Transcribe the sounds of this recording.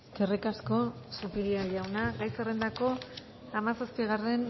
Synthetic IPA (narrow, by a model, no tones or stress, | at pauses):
kerikasko̞supiliaʎawnaɣajserend̪ako̞ | amasaspiɣ̞are̞n